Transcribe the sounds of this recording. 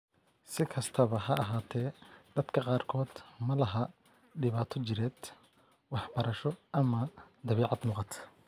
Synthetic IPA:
sɪkʰɐst̪ʰɐβɐɦɐɐɦaːt̪ʰɛːd̪̥ɐd̪kʰɐqɑːrkʰɔːd̪mɐlɐɦɐ | ɖɪβaːt̪ʰɔt͡ʃɪɾɛːd̪ | wɑħbɐɾɐʃɔʔɐmɐd̪ɐβɛːʕɑd̪muːqɑt̪

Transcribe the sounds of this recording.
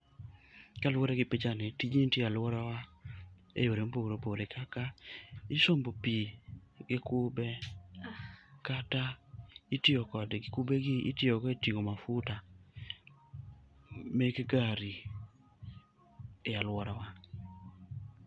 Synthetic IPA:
kalwoɾeɡɪpit͡ʃanetiɲentjealwɔɾawa | ḛjoɾemboɡɾopoɾekʰakaɪsombopiɡɪkʊbe | kataitjɪɔkɔdɡkubeɡɪʔḭtjɔkɔetiŋomafuta | mekɡaɾi | ealwɔɾawa

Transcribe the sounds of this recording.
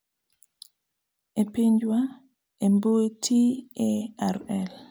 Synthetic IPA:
epiɲd͡ʒwa | emboetʰieɛɾɛl

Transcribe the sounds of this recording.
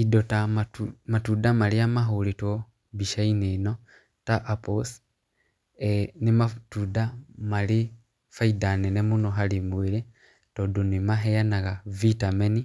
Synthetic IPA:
idotammatudamaliamaɦulito | βiʃainino | taʔapos | enimatudamali | faidaninemunoɦalimuwili | todunimaɦejanaɣavitameni

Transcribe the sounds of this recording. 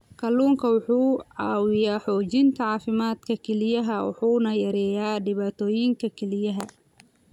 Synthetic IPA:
kʰɐluːŋkʰɐwʊħuːʕɑːwɪjaːħɔːt͡ʃɪnt̪ʰɐʕɑːfɪmaːd̪kʰɐkʰɛlɪjɐɦɐwʊ̰ħuːnɐjɐɾɛːjaːɖɪβaːt̪ʰɔːjɪŋkʰɐkʰɛlɪjɐɦɐ

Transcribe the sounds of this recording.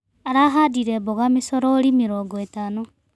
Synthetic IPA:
aɾaɦaːdiɾɛbɔɣamesɔɾɔːɾimeɾɔːŋɡɔetano

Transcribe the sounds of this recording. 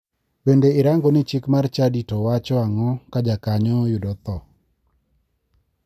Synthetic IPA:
bendeɪɾaŋɡɔnɪt͡ʃɪkmart͡ʃaditowat͡ʃɔaŋɔkad͡ʒakaɲɔjʊdɔt̪ɔ

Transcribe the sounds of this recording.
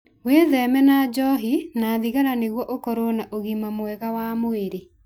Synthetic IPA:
weðɛmɛnad͡ʒɔɦinaːðiɣaɾaneɣwɔʔokɔɾonaʔoɣimamwɛɣawamoeɾe

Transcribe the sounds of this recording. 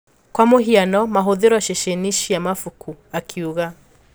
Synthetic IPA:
kwamoɦianɔmaɦoðeɾɔʃeʃeniʃiamafukʰuakʰiuɣa

